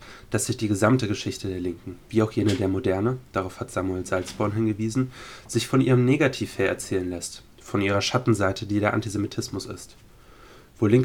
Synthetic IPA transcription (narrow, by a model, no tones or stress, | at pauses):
d̥asz̥ɪçd̥iːɡəzamtəɡəʃɪçtədeːɐlɪŋkŋ̩v̥iːaʊxjeːnədeːɐmodɛɐnəd̥aʁaʊfhatz̥aːmueːlzalt͡sb̥ɔɐnɦɪnɡəviːzn̩z̥ɪçfɔnʔiːʁəmneːɡatʰiːfheːɐʔɛɐt͡sɛːlənlɛst | fɔnʔiːʁ̞ɐʃatn̩zaɪtʰədiːdeːɐʔa̰ntizemitʰɪsmʊsɪ̰st | v̥oːlɪŋk